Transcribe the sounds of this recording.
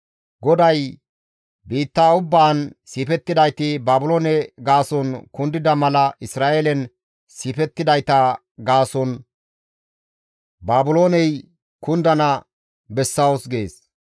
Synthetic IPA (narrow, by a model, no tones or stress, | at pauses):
ɡɔd̪ɐj | biːt̪ːaːʊbːaːnsiːpɛt̪ːɪd̪ɐjt̪ɪbaːbʊloːnɛɡaːsɔnkʊnd̪ɪd̪ɐmɐlɐʔɪsɾaːʔelɛn | siːpɛt̪ːɪd̪ɐjt̪ɐ | ɡaːsɔn | baːbʊloːnɛj | kʊnd̪ɐnɐ | bɛsːɐwʊsɡeːs